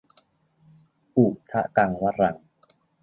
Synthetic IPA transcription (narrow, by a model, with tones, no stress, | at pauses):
ʔuː˨˩k̚t̪ʰa˦˥ka˧ŋwa˦˥ɾa˧ŋ